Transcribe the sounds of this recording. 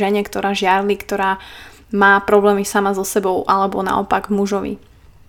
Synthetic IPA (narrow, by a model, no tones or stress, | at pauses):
ɛɲɛkt̪ɔɾaːʒɪaɾlikt̪ɔɾaː | maːpɾɔblɛːmisamazɔsɛbɔʊʔalɛbɔna̰ɔ̰paɡvmuʒɔʋḭ